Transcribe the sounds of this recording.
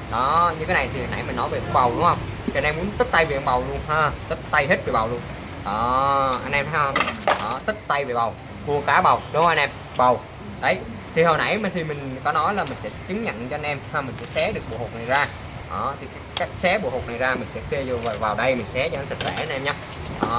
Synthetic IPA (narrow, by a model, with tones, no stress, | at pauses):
ɗɔ˨˦ɲɨ˧tʰe˨˦na˨˩jt̪ʰi˨˩hə˨˩na̰˧˩jmï˨˩ŋ̟nɔ˨˦jve˨˩ku˧˦ɓa˨˩wɗʊ˨˦ŋ͡mhə˧wŋ͡mt̪i˨ʔnʔɛ˧mu˨˦ənt̪ɨ˦˥k̚t̪a˧jve˨˩ʔə˧ŋ͡mɓa˨˩wlu˧ənhəː˨˩t̪ɨ˦˥k̚t̪a˧jɦe˦˥t̚ve˨˩ɓa˨˩wlu˧ən | ʔɔː˨˩ʔa˧nʔɛ˧mt̪ʰə˨˦jhə˧wŋ͡mʔɔː˨˩t̪ɨ˦˥k̚t̪a˧jve˨˩ɓa˨˩w | ku˧˩əkaː˨˦ɓə˨˩wɗo˨˦wʔa˧nʔɛ˧m | ɓə˨˩w | ɗə˨˦j | t̪ʰi˨˩ɦo˨˩jna̰˧˩jt̪ʰi˨˩mï˨˩ŋ̟kɔ˨˦nɔ˨˦jlaː˨˩mï˨˩ŋ̟sɛ̰˧˥t͡ɕɨ˨˦ŋɲə̰˧˨ŋt͡ɕɔ˧ʔa˧nʔɛ˧mhaː˨˩mï˨˩ŋ̟sɛ̰˧˥sɛ˨˦ɗɨ˨˩ək̚ɓo̰˧˨ho˨˩na˨˩jzaː˧ | ʔɔː˨˩t̪ʰi˨˩kaː˦˥kːaː˦˥k̚sɛ˨˦ɓo̰˧˨ho˨˩t̚na˨˩jzaː˧mï˨˩ŋ̟sɛ̰˧˥k̪i˧əzo˨˩va˨˩vaː˨˩wɗə˧jmï˨˩ŋ̟sɛ˨˦t͡ɕɔ˧˦nsə˨˩sɛ̰˧˥ʔa˧nʔɛ˧mɲaː˦ | ʔɔː˧˨˩